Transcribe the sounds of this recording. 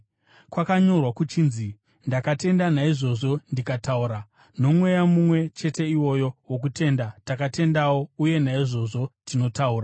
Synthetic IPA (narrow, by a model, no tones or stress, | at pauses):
kwakaɲo̞rwakut͡ʃiːnzi | ndakate̞ndanaiʐo̞ʐo̞ndikatauɾa | no̞mwe̞jamumwe̞t͡ʃe̞te̞iwo̞jo̞wok̬utʰe̞ndatakate̞ndawo̞uje̞naiʐo̞ʐo̞tino̞tauːra